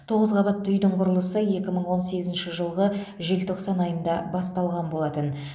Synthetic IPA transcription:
t̪ʰo̞ʁəzʁɑbɑt̪ʰːʏjd̪ɪɴqʰʊɾəlˠəsəje̞kʲɪməɴwo̞nse̞ɡʲɪzɪnʃɪʒəlˠʁə | ʒe̞lt̪ʰo̞qsɑnɑjənd̪ɑbɑst̪ɑlˠʁɑnbo̞lˠɑt̪ən

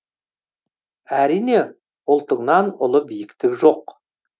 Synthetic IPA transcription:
æɾijne̞ | ʊlˠt̪əɴnɑnʊlˠəbijɪkt̪ɪkʒo̞q

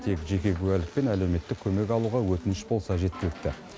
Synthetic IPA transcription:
t̪ʰe̞kʒe̞kʲe̞kʲʰʉælɪk̚pe̞næle̞wme̞t̪ːɪkʲʰɵme̞kɑlˠuʁɑwɵt̪ɪnɪʃbo̞lˠsɑʒe̞t̪̚kʲɪlɪk̚t̪ɪ

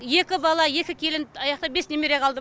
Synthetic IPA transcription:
je̞kʲɪbɑlˠɑje̞kʲɪkʲʰe̞lɪnɑjɑqt̪ɑbe̞sne̞meɾeqʰɑlˠd̪ə

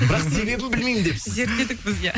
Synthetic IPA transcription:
bɾɑqse̞be̞bɪmbɪlmejmɪnd̪e̞psɪze̞ɾt̪̚ːed̪ɪkbɪzja

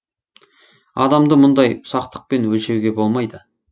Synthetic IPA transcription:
ɑd̪ɑmd̪əmʊnd̪ɑjʊ̥sɑq̚t̪ə̥q̚pe̞nwɵlʃe̞wɡʲe̞bo̞lˠmɑjd̪ə

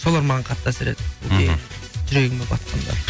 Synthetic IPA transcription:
so̞lˠɑɾmɑʁɑɴqʰɑt̪ːɑseɾet̪woeʒʏɾeɡʲɪmepɑ̰t̪qʰɑ̰nd̪ɑ̰

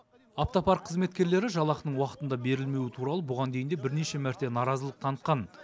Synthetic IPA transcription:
ɑft̪opɑɾqʰəzme̞t̪kʲe̞ɾle̞ɾɪʒɑlˠɑqənəɴwɑqət̪ənd̪ɑbe̞ɾɪlme̞wɪt̪ʰuɾɑlˠəbʊʁɑnd̪e̞jɪnd̪e̞bɪɾne̞ʃe̞mæɾt̪e̞nɑɾɑzəlˠəq̚t̪ʰɑnət̪̚qɑn

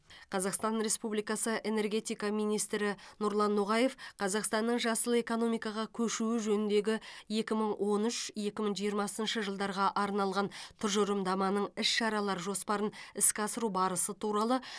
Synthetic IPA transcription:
qʰɑzɑqst̪ɑnɾe̞spublijkɑsəʔe̞ne̞rɡʲe̞t̪ijkɑmijnijst̪ɾɪnʊɾlˠɑnːoʁɑje̞fqʰɑzɑqst̪ɑnːəɴʒɑsəlˠe̞ko̞no̞mijkɑʁɑkʲʰɵʃuɪʒɵnɪnd̪e̞ɡʲɪje̞kʲɪməɴwʔo̞nʏʃje̞kʲɪməɴʒijəɾmɑsənʃəʒəlˠd̪ɑɾʁɑʔɑɾnɑlˠʁɑnt̪ʰʊɾʒʊɾəmd̪ɑmɑnəɴɪʃʃɑɾɑlˠɑɾʒo̞spɑɾənɪskʲɑsəɾubɑɾəsət̪ʰuɾɑlˠə

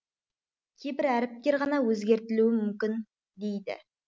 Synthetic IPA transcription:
kʲʰejbɪɾæɾɪp̚t̪ʲe̞ɾʁɑnɑwɵzɡʲe̞ɾt̪ɪluɪmʏmkʲɪn | d̪e̞jd̪ɪ̰

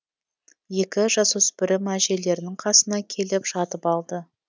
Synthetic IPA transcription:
je̞kʲɪʒɑsɵspɪɾɪmæʒe̞le̞ɾɪnɪŋqʰɑsənɑkʲʰe̞lɪpʒɑt̪əpɑlˠd̪ə

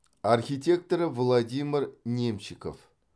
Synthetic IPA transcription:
arxʲitʲek̚t̪oɾəvlˠadʲimʲirnʲemʃiko̰f

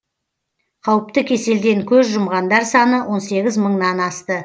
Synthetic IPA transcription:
qʰɑwəpt̪əkʲʰe̞se̞ld̪e̞ŋkʲʰɵzʒʊmʁɑnd̪ɑɾsɑnəwʔo̞nse̞ɡʲɪzməɴnɑnɑst̪ə

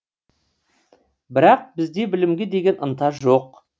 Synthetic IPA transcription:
bɪɾɑq̚bɪzd̪e̞bɪlɪmɡʲe̞d̪e̞ɡʲe̞nʔənt̪ɑʒoq̚

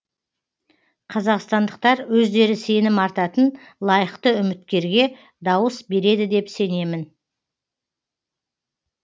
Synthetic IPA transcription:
qʰɑzɑqst̪ɑnd̪əq̚t̪ɑɾwɵzd̪e̞ɾɪse̞nɪmɑɾt̪ɑt̪ən | lˠɑjəqt̪əʏmɪt̪kʲe̞ɾɡʲe̞ | d̪ɑwəsbe̞ɾe̞d̪ɪd̪e̞pse̞ne̞mɪn

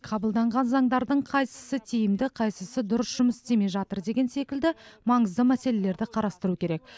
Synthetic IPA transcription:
qʰɑbəlˠd̪ɑɴʁɑnzɑɴd̪ɑɾd̪əɴqʰɑjsə̥sət̪ʰejɪmd̪ɪqʰɑjsəsəd̪ʊɾəsʒ̥ʊməst̪e̞me̞jʒɑt̪əɾd̪e̞ɡʲe̞nse̞kʲɪld̪ɪmɑɴəzd̪əmæse̞le̞le̞ɾd̪ɪqʰɑɾɑst̪əɾukʲʰe̞ɾe̞k̚

